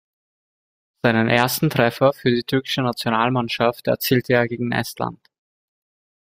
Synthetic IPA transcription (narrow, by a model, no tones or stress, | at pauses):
z̥aɪnənʔeːɐstn̩tʁ̥ɛfɐfyːɐdiːtʰʏɐkɪ̥ʃənat͡sjonaːlmanʃaftɛɐt͡siːltəeːɐɡeːɡŋ̩ʔɛ̰stla̰nt